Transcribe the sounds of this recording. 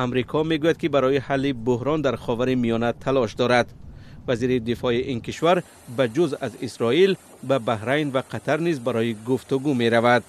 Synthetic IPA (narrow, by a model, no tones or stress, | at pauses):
amɾikʰɔme̞ɡujad̪̚kibaɾɔjihalːibʊhɾɔnd̪aɾχɔvaɾimijɔnat̪ʰalɔʃd̪ɔɾad̪vaziɾid̪ifɔiʔinkiʃvaɾ | bad͡ʒuzazisɾɔil | babahɾajnvaqʰat̪ʰaɾnizbaɾɔjiɡuft̪uɡume̞ɾavad̪̚